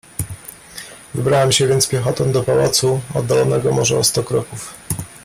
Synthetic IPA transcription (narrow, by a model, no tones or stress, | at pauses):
vɘbɾawɛmɕɛvʲjɛnt̪spʲjɛxɔt̪ɔmd̪ɔpawa̰t̪suɔ̰d̪dːalɔnɛɡɔmɔʐɛɔst̪ɔkɾɔkuf